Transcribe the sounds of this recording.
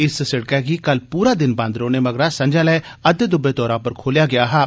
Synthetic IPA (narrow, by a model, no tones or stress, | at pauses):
ɪssɪɽkɛkiːkɐlpuːɾaːd̪ɪnbãːnd̪ɾoːnemɐɡɾaːsɐ̃nd͡ʒãlɛːɐd̪d̪ʊbet̪ɔːɾãːpəɾkʰoːlijaːɡɪjaːɦɛː